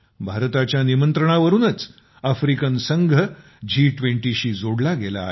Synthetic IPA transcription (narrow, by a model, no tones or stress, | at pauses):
bʱaɾt̪at͡ɕjanimənt̪ɾəɳ̃aʋəɾuːnət͡s | əfɾikənsəŋɡʱə | d͡ʑiːʈʋẽɳʈiɕiːd͡zoɽlaɡela̰ː